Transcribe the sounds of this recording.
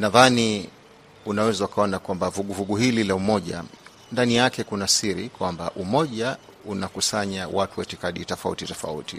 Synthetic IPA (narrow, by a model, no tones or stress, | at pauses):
naðani | unawɛzaukaɔnakwambavuɠuvuɠuhililaumɔʄa̰ | ndanijakɛkunasiɾikwamba̰ʔumɔʄa | unakusaɲawatuwɛtikaɗitɔfaṵtitɔfa̰ṵti